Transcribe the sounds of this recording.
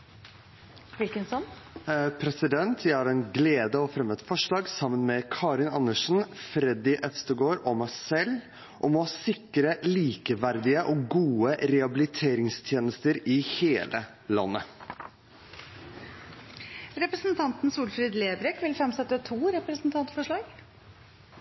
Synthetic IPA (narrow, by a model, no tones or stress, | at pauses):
ʋɪlkənsɔn | pʰɾɛsɪd̪ɛnt̪ʰjæɪhɑːɾɛnɡleːd̪əɔfɾɛmɛt̪fɔʂlɑːɡsɑmːənmɛkʰɑːɾɪnɑnːəʂn̩fɾɛd̪ɪʔœst̪əɡoːɾɔmæɪsɛl | ʔɔmɔɑsɪkːɾəliːkəʋæɾd̪ɪəʔɔɡuːəɾɛɑbɪlɪt̪ʰeːɾɪŋst̪ʰjeːnəst̪əɾɪheːlʔə | lɑ̰nːə | ɾɛpɾəsnt̪ʰɑnt̪n̩suːlfɾiːd̪leːbɾɛkʋɪlfɾɛmsɛt̪ːət̪ʰuːɾɛpɾəsn̩t̪ʰɑnt̪fɔʂɭɑːɡ̥